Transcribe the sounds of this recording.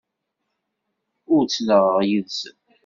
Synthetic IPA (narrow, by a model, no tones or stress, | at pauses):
ʊɾt͡sːnəʁəʁjiðsən